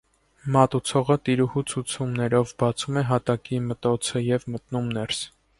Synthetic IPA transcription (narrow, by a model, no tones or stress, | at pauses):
mɑt̪ut͡sʰɔʁət̪iɾuhut͡sʰut͡sʰumnɛɾɔvbɑt͡sʰumɛɦɑt̪ɑkimət̪ɔt͡sʰəjɛvmət̪numnɛɾs